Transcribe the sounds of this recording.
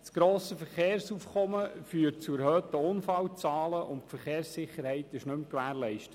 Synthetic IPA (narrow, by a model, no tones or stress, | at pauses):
sɡ̥ɾoːsəfəɾχeːɾsuːfkʰɔməfyːəɾtt͡suɛɾhøːt̪əʊnfɑwt͡sɑːləʔʊntfəɾχeːrsɪχːəɾhɛɪt̪ɪʃnɵmkʋæːɾlɛɪʃtət